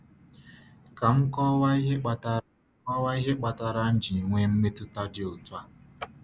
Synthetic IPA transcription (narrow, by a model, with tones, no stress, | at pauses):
ka˨ŋ̩˦kɔ˦wa˦i˦ɦe˦k͡pa˨ta˦ɔ˦wa˦i˦ɦe˦k͡pa˨ta˨ɾa˦n̩˦d͡ʒi˨ŋʷe˦m̩˦me˦tʊ˦ta˦d͡ʒɪ˦o˨twa˦